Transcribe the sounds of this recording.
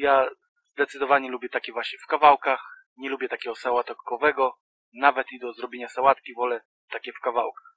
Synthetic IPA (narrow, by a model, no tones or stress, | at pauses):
ja | zd̪ɛt̪sɨd̪ɔvaɲɛlubʲjɛt̪akʲɛvwaɕɲɛfkavawkax | ɲɛlubʲjɛt̪akʲɛɡɔsawat̪ɔkɔvɛɡɔ | navɛt̪id̪ɔzɾɔbʲjeɲasawat̪kʲivɔlɛ | t̪akʲɛfkavawkḁx